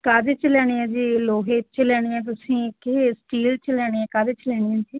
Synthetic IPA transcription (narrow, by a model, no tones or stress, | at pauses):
kaːd̪et͡ʃlɛːɽ̃iːɛ̃ːd͡ʒiːloːɦeːt͡ʃlɛːɽ̃iːɛ̃ːt̪̬ʊsĩːkesʈiːlt͡ʃlɛːɽ̃eːɛ̃ːkaːd̪eːt͡ʃlɛːɽiɛ̃ːd͡ʒiː